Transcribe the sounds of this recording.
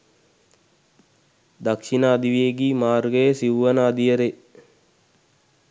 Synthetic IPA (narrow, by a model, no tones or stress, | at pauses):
d̪akʃinaːd̪iʋijeɡiːmaːɾɡəjəsiʋʋənaːd̪iəɾe